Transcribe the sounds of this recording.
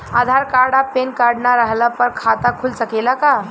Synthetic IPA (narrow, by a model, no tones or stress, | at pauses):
ad̪ʱaɾkaɾɽapenkaɾɽnaɾaɦlapəɾkʰat̪akʰulsəkelaka